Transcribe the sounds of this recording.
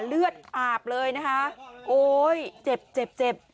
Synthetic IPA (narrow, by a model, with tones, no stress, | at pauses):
lɯ˥˩ət̪̚aː˨˩p̚lɤː˧jna˦˥kʰa˦˥ʔʔoː˧jt͡ɕe˨˩p̚t͡ɕe˨˩p̚t͡ɕe˨˩p̚